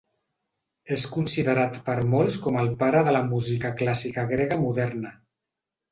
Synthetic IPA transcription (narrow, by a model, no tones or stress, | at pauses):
eskunsiðəɾat̪pəɾmolˠskɔməlˠpaɾəðələmuzikəklasikəɣɾeɣəmuðɛɾnə